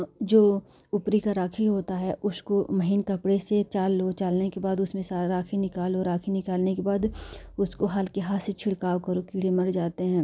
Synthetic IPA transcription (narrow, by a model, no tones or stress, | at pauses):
d͡ʒoː | ʊpɾikaɾaːkʰiɦoːt̪aɦɛʔʊskomɐɦinkɐpɽeset͡ʃaːlːot͡ʃaːlnekebaːd̪ʊsmẽsaɾaːkʰinɪkaːloːɾaːkʰinɪkaːlnekebaːd̪ʊskoɦaːlkeɦaːset͡ʃʰɪɽkaːʋkɐɾokiːɽemɐɽd͡ʒaːt̪eɦɛ̃ː